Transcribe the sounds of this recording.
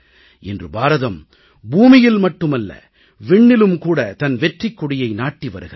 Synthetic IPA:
ɛndrɯbaːɾɐðɐm | buːmɪjɪlmɐʈːɯmɐlːɐ̰ | ʋɪɳːɪlɯmkuːɽɐt̪ɐnʋɛʈrikːʊɽɪjɐɪnaːʈːiʋɐ̰ɾɯɣɐɾ

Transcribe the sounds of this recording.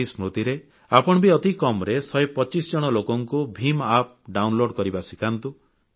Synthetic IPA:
ismɾut̪iɾe | apɔɽ̃ɔbiɔt̪ikɔmɾesɔjpɔt͡ʃisɔd͡ʒɔɽ̃ɔlokɔŋkubʱimap̚ɖawnloɽkɔɾibasikant̪u

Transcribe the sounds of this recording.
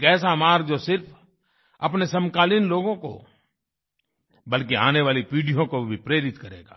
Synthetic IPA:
kɛːsamaːɾd͡ʒoːsɪɾpʰ | ɐpnesɐ̃mkaːlinloːɡõko̰ | bɐlkia̰ːneʋaːlipiːɖijõkobʱipɾeːɾɪt̪kɐɾḛːɡa̰ː

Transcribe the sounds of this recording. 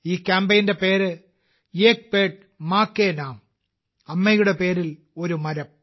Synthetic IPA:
iːkʲːaːmbɐjnde̞peːɾɨ | jeːk̚peːʈ̚ | maːkːeːnaːm | ɐmːɐjuɽe̞peːɾil | oɾumɐɾɐm

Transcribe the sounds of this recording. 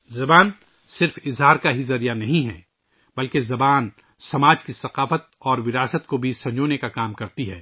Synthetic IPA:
zɐbaːn | sɪɾfɪzɦaːɾkaɦizɐɾijanɐɦĩɦɛ̰ː | bɐlkezɐbaːn | sɐmaːd͡ʒkisɐqaːfət̪̚ɔːɾʋɪɾaːsət̪kobʱisɐ̃ɲd͡ʒoːnekakaːmkɐɾt̪iɦɛ̰ː

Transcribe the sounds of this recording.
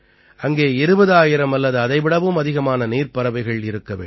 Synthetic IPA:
ʔɐŋɡeːɪɾɯbɐðaːjɪɾɐmɐlːɐðɯɐðɐɪʋɪɽɐʋɯmɐðɪɣɐmaːnɐniːrpɐɾɐʋɐɪɣɐɭɪɾɯkːɐʋḛː

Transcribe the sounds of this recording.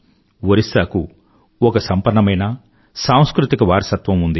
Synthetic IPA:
ʋɐɾisaːku | ɔkɐsɐmpɐɾːɐmɐjnɐ | saːw̃skɾut̪ikɐʋaːɾɐsɐt̪ʋɐmund̪i

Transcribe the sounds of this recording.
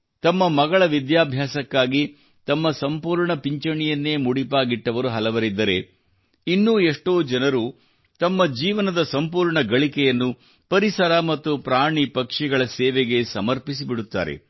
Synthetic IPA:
t̪ɐmːɐmɐɡɐɭɐʋid̪jaːbʱjaːsɐkːaːɡi | t̪ɐmːɐsɐmpuːɾɳɐpiɲt͡ʃɐɳijɐnːe̞ːmuɽipaːɡiʈːɐʋɐɾuɦɐlɐʋɐɾid̪ːɐɾe̞ | inːuːeʂʈoːd͡ʒɐnɐɾu | t̪ɐmːɐd͡ʒiːʋɐnɐd̪ɐsɐmpuːɾɳɐɡɐɭikɛjɐnːu | pɐɾisɐɾamɐt̪ːupɾaːɳipɐkʂiɡɐɭɐsɛːʋɛɡe̞sɐmɐɾpis̬ibiɽut̪ːa̰ːɾḛ

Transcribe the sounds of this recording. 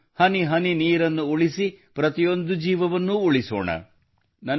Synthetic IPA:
hɐniɦɐniniːɾɐnːuːɭisipɾɐt̪ijo̞nd̪ud͡ʒiːʋɐʋɐnːuːɭiso̰ːɳɐ̰ | nɐ

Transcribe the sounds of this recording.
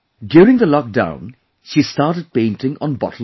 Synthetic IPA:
ɖjuɾɪ̃ŋd̪əlɔk̚dã̰ʊ̃n | ʃiːstaːɾʈəɖ̚pẽɪ̃ntɪ̃ŋɔ̰̃nbɔ̰təl

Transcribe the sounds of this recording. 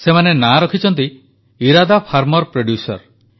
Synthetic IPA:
semanenaɾɔkʰit͡ʃʰɔnt̪̬i | iɾad̪apʰaɾmɔɾpɾoɖjusɔ̰ɾ

